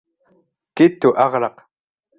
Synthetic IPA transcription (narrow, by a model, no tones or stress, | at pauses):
kɪt̪ːuʔɑʁɾɑq